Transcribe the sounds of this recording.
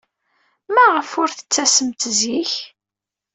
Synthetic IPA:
mæʁəfʊɾθə̥t͡sːæsəmt̪ziç

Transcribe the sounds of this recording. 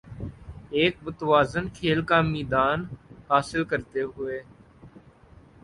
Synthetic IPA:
eːk̚bʊt̪ʋaːzənkʰeːlkaːmiːd̪aːnhaːsɪlkəɾt̪eːɦʊeː

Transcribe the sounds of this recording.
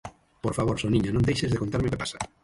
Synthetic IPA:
poɾfaβ̞oɾsonĩɲonõnd̪ejʃezðekont̪aɾmekepḁsa

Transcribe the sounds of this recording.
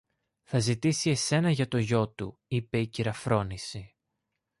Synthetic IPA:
θɐzit̪isie̞se̞nɐʝɐt̪o̞ʝo̞t̪ṵipe̞iciɾɐfɾo̞nisi

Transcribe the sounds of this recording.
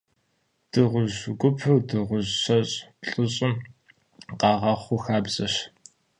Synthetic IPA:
d̥ɨʁʷʊʑɡʷʊpʰħʊwdɨʁʷʊʑɕɐɕʼpɬʼʊɕʼɪm | qɑːʁɐχʷʊxaːbzʼɐɕ

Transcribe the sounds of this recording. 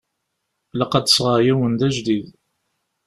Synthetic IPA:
ləqɑd̪əsʁəɾjæwənd̪æʒd̪ið

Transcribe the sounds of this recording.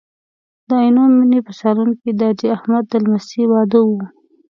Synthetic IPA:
d̪əjnominepəsɑɾunkid̪əad͡ʒiahmad̪ːəlmasiwɑd̪əwu

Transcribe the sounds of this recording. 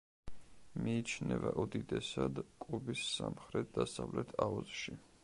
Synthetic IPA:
miːt͡ʃʰnɛvaʔɔd̪id̪ɛsad̪kʼubisːamχɾɛt̪̚ʰd̪asavlɛt̪ʰaɔzʃi

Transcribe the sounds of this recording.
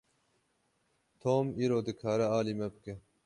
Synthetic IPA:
t̪ʰoːmiːɾoːd̪ɨkʰaːɾɐaːliːmɐbɨke

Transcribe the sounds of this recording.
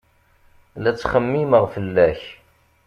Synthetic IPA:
læt͡sːχəmːiməʁfəlːæç

